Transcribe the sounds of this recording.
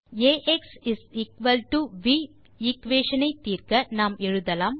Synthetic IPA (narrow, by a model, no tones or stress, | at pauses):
eːʔeksɪsiːkʋɐlʈuʋiː | iːkʋeːʃɐnɐɪt̪ːiːrkɐnaːmɛɻɯðɐlaːm